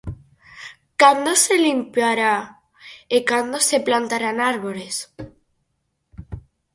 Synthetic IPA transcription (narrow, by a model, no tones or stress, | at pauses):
kand̪ose̞limpjaɾa | ekand̪ose̞plant̪aɾanaɾβole̞s